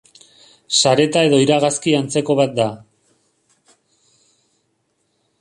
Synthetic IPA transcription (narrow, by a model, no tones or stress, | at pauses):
saɾe̞t̪ae̞ðo̞iɾaɣaskiant͡se̞ko̞βat̪̚d̪a